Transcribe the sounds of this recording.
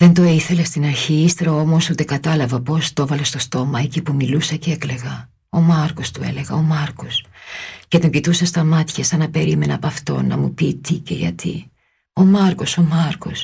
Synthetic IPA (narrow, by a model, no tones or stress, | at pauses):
ðe̞nt̪o̞iθe̞lest̪inɐɾçiist̪e̞ɾɐo̞mo̞sut̪e̞kɐt̪ɐlɐvɐpo̞st̪o̞vɐle̞st̪o̞st̪o̞mɐe̞cipumilusɐceekle̞ɣɐ | o̞mɐɾko̞st̪ue̞̰le̞ɣɐo̞mɐɾko̞scet̪oɲɟit̪usɐst̪ɐmɐt̪çɐsɐnɐpe̞ɾime̞nɐpɐft̪o̞̰nːɐ̰mupit̪icḛʝɐ̰t̪ḭ | o̞mɐɾko̞so̞mɐɾko̞s